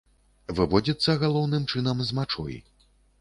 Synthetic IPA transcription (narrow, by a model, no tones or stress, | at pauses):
vɨvɔd͡zʲit̪sːɐɣalˠɔwnɨmt͡ʂɨnɐmzmat͡ʂɔ̰j̰